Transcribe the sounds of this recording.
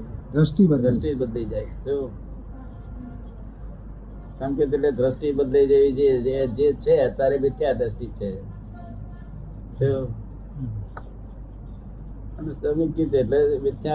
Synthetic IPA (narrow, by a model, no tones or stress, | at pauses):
d̪ɾəsʈibəɾəsʈibəd̪lid͡ʒajtʰo | sə̃mket̪eʈled̪ɾəsʈibəd̪lid͡ʒeʋid͡ʒeed͡ʒet͡ʃʰeət̪jaɾeʋɪt̪jad̪ʱɾəsʈit͡ʃʰe | t͡ʃʰo | ənesəmikit̪ːʈleʋɪt̪ja